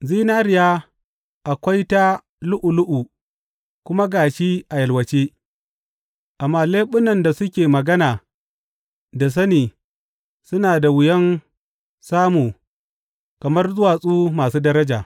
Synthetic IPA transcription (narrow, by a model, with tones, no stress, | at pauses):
ziː˦naː˦ɾɪ˨jaː˦ | ʔa˨kʷa˦jta˦ | lʊ˦ʔu˨lʊ˦ʔu˨ | kʷʊ˦ma˦ɡaː˨ʃiː˦ʔa˨jɐ˨lwɐ˨t͡ʃeː˦ | ʔa˨mːaː˦leː˦ɓʊ˦nɐ˨nda˨sʊ˦kʲeː˨mɐ˨ɡɐ˦naː˨ | da˨s̬ɐ˦niː˨ | sʊ˦naː˨da˨wʊ˨jɐ˦n | saː˦muː˨ | kɐ˨mɐ˦rzʊ˦waː˨sʼuː˦maː˨suː˦dɐ˦ɾɐ˦d͡ʒaː˨